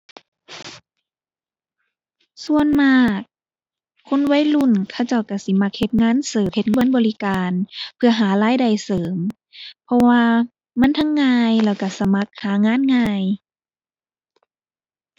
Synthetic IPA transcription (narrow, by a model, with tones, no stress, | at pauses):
su˧ənmaː˧˩k̚ʰː | o˧˥˨nwa˧˥˨jlu˧˥˨nkʰa˧˩wt͡ɕa˧˩˨wka˧˩si˧˦ma˧˥k̚he˧˦t̪̚ŋaː˧˥˨nsɤː˨˦he˧t̪̚ŋbɔ˧˥˨nbɔː˨li˦kaː˨npʰɯ˧ɐɦaː˨˦laː˧˥˨jda˧˩jsɤː˨˦m | pʰɔ˧waː˧ | ma˧˥˨nt̪ʰa˧˥ŋːaː˧jlɛː˧˩wka˧˩sa˧˦ma˧˦k̚haː˨˦ŋaː˧˥˨nŋaː˧˩˨j